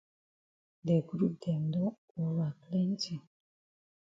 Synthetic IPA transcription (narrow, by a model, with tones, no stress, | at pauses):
dɛ˨ɡɾu˦p̚d̪ɛ˨ndɔ˦ | ɔ˨wa˨klɛ˦nti˨